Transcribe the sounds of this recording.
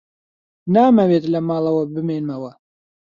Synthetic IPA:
naːmɐweːt̪lɐmaːlˠɐwɐbɨmeːnmɐwɐ

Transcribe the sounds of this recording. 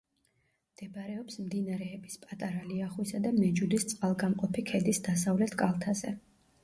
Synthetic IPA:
md̪̥ɛbɾɛɔpsmd̪inaɾɛːbispʼat̪ʼaɾaliaχwisad̪amnɛd͡ʒud̪ist̪sʼqʼalˠɡamqʼɔpʰikʰɛd̪isd̪as̬avlɛt̪ʰkʼalˠt̪ʰazɛ̰

